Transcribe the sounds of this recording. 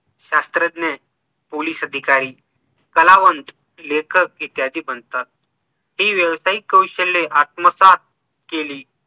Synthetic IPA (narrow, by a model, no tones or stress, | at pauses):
ɕast̪ɾəd̪ne | poliːsəd̪ʱikaɾiː | kəlaʋənt̪ | lekʰək̚it̪jɦad̪ʱiːbənt̪at̪̚ | ɦiːʋjəʋsaikːəwɕəleʔat̪̚məsat̪̚ | keliː